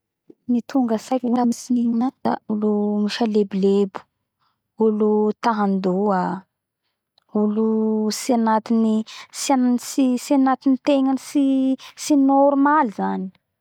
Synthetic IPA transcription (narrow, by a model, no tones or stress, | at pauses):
nit̪ʰuŋɡəsajkamisiniɲinad̪̥a̰ulumifalebilebu̥ | ulut̪aɦand̪ua | ulusianat̪inisiansisianat̪init̪eŋansisinoɾumalizani̥